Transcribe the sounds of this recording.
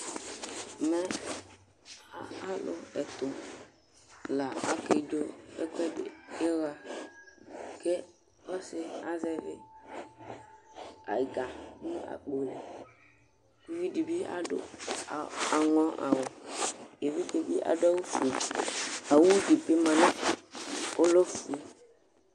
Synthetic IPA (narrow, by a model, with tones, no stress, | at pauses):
mɛ˦˨ | a˦lʊ̰˦ɛ˨t̪ʊ˨ | la˨a˨ke˨d͡ʒo˦ḛ˦kɛ˦dḛ˨e˦ɣa˨ | ke˦ | ɔ˦sɪ˨a˦zɛ˦vɪ˦ | a̰˨i˨ɡa˨˦nũ˦ʔa̰˨k͡po˨lḛ˨ | i˨˦vi˦di˨bi˦a̰˨dʊ̰˦˨ | a˨ŋɔ̃˦ʔa̰˨wɔ˨je˨vi˦ke˨bi˦ʔa̰˨da˦wo˦fu˨ | a˨wu˦d͡ʒi˨pe˦mã˨nã˦ | o˦lo˦fu˨e˨